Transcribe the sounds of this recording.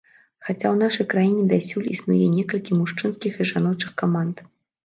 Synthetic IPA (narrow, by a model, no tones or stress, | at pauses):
xat͡sʲawnaʂɐjkɾajinʲɛd̪asʲulʲḭsnujɛnʲɛkɐlʲkʲimuʂt͡ʂɨnskʲixiʐanɔt͡ʂɨxkamant̪